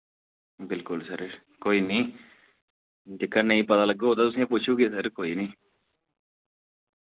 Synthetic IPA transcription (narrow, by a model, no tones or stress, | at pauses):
bɪlkʊlsəɾ | koːiːnĩː | d̪ɪkʰːənə̃ĩːpət̪aːləɡoɦoːt̪aːt̪ʊsĩːãpʊt͡ʃʰuːkesəɾkoːiːnĩː